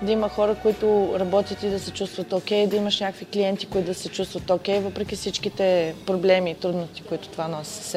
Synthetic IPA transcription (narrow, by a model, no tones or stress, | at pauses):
d̪ɐimɐxɔɾəkʊit̪ʊɾɐbɔt̪ʲjət̪id̪ɐsɛt͡ʃust̪vət̪okʲɛjd̪ɐimɐʃnʲakəkvikliɛnt̪i̥kʊit̪ʊd̪ɐsɛt͡ʃust̪vɐt̪okʲɛjvɤpɾɛkʲifsit͡ʃkit̪ɛpɾoblɛmiːt̪ɾud̪nost̪i̥koit̪ʊ̥t̪ovanɔsʲi̥sɛ